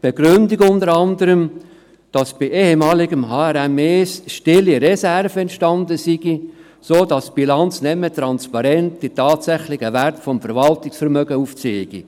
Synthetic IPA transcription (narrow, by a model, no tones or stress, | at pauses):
b̥eɡ̥ɾʏndɪkʊndəɾɑndəɾəm | d̥ɑsb̥iʔeːhemɑːlɪɡəmɦɑːɛɾɛmeːsʃtɪlːiɾesærvəɛntʃtɑndəsiɡ̥i | soːdɑsb̥ilɑnt͡snɛmːətɾɑnspɑɾɛntd̥itɑːtsæχlɪɡəværtfɔmfəɾvɑltɪksfəɾmœɡəuft͡seːɪɡ̥ḭ